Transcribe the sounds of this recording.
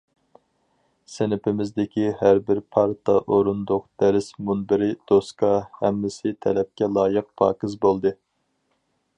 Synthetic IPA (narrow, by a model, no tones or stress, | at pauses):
sɪnɪpɪmɪzd̪ɪkʲʰihæɾbɪɾpʰɑɾt̪ʰɑʔoɾund̪ʊqd̪̥ɛɾɪsmunbɪɾɪd̪̥oskʰɑhɛmːɪsɪt̪ʰɛlɛp̚kʲɛlˠɑːjɨq̚pʰɑ̰ːkɨzbolˠd̪ɨ